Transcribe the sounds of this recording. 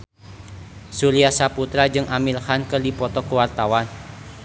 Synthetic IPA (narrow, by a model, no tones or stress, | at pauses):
suliasaput̪ɾad͡ʒɨŋamilhankɨrdipɔt̪ɔkəwart̪awan